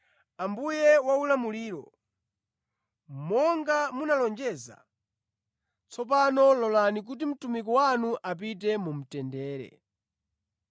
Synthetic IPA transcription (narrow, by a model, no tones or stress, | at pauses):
ambujɛwaulamuliːɾɔ̰ | mɔŋɡamunalɔnd͡ʒɛza̰ | t͡sʰɔp̬anɔlɔlanik̬ut̬im̩tumik̬ɔwanuʔap̬it̬ɛmum̩tɛndɛːɾɛ̰